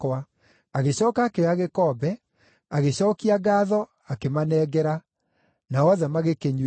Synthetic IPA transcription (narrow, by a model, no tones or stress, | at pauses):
wa | aɣeɕɔːkaːkeaɣekɔbɛ | aɣeɕɔːkiaɡaːðɔ | akemanɛːɡɛɾa | naɔðɛmaɣekeɲ